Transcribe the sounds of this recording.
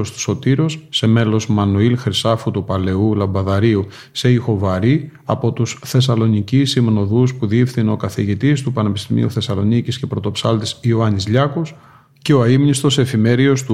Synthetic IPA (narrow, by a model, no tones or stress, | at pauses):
ost̪u̥so̞t̪iɾo̞sːe̞me̞lo̞zmɐnuilxɾisɐfut̪upɐle̞ulɐmbɐðɐɾiu | se̞ixo̞vɐɾiɐpo̞t̪usθe̞s̬ɐlo̞nicisimno̞ðuspuðiifθino̞kɐθiʝit̪ist̪upɐne̞pi̥st̪imḭuθe̞sɐlo̞nicisce̞pɾo̞t̪o̞psɐlt̪isioɐnizʎɐkos | ce̞oɐimnist̪o̞se̞fime̞ɾio̞st̪u